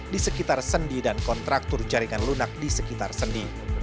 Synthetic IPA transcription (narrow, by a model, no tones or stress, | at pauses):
disəkit̪arsəndidankɔnt̪ɾak̚t̪ʊrd͡ʒaɾiŋanlunak̚disəkit̪arsəndi